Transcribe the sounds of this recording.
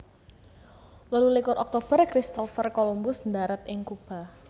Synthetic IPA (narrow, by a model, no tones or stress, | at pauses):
wəlulikʊɾʔɔk̚t̪ob̥ərkɾist̪ɔfərkolumbʊsnd̪aɾat̪ʔɪŋkub̥a̤